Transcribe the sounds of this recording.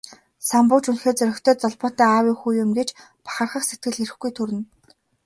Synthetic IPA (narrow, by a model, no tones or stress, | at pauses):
sampʊːt͡ɕunxeːt͡sœɾʲɵ̆kʲt̪ʰœːt͡sɔɮpɔːt̪æːaːwiːŋxuːjʊmɡet͡ɕ | pḁχə̆rχə̆χset̪̚ɡɘ̆ɮiɾɘ̆xɡujt̪ʰuɾɘ̆n